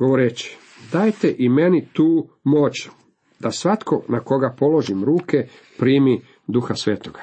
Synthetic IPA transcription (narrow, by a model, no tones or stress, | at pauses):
ɡoʋoɾeːt͡ɕi̥ | d̪aːjt̪e̞ʔime̞nit̪uːmo̞ːt͡ɕ | d̪̥asʋat̪kʰo̞nako̞ɡapo̞lo̞ʒimɾuːke̞ | pɾiːmi | d̪uxasʋeːt̪oɡ̥ḁ